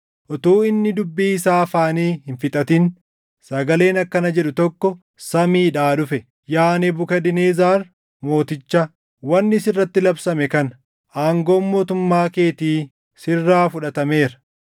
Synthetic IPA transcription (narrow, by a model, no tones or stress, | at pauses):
ʔɔt̪uːɪnːɪd̪ʊbːiːɪsaːfaːniːhɪnfɪt̪ʼɐt̪ɪn | sɐɡɐle̞ːnɐkːɐnɐd͡ʒɛɗʊt̪ɔkːɔ | sɐmiːᶑaːᶑʊfɛ | jaːnebʊkɐd̪ɪneːzaːɾ | mo̞ːt̪ɪt͡ʃːɐ | wɐnːɪsɪrːɐt̪ːɪlɐbsɐmɛkɐn | ʔaːŋɡo̞ːnmo̞ːt̪ʊmːaːke̞ːt̪iː | sɪrːaːfʊᶑɐt̪ɐme̞ːɾɐ̥